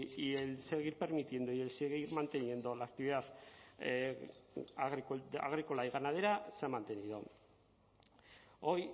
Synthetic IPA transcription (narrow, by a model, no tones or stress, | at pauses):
ielse̞ɣ̞iɾpe̞ɾmit̪je̞nd̪oie̞lseɣiɾmant̪e̞nje̞nd̪o̞laːk̚t̪iβiðað | ɣa̰ɣ̞ɾiko̞laiɣ̞anað̞e̞ɾaseamant̪enið̞o | o̞j